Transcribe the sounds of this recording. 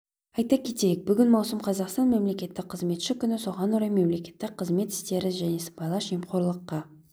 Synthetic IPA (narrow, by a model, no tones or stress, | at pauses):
ɑjt̪ɑkʲʰe̞t̪e̞jɪk̚bʏɡʲɪnmɑwsəmqʰɑzɑqst̪ɑnme̞mle̞kʲe̞t̪ːɪk̚qʰːəzme̞t̪ʃɪkʲʏnɪso̞ʁɑnoɾɑjme̞mle̞kʲe̞t̪ːɪk̚qʰəzme̞t̪ɪ̥st̪e̞ɾɪʒæne̞sə̥mbɑjlˠɑʃimqo̞ɾlˠəqːɑ